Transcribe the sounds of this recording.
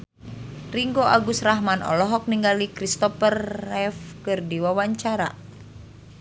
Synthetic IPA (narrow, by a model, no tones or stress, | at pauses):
riŋɡoʔaɡusraɦmanʔɔ̰lɔɦɔk̚niŋɡalikɾist̪ɔpərɛfkɨrdiwawaɲt͡ʃaɾa̰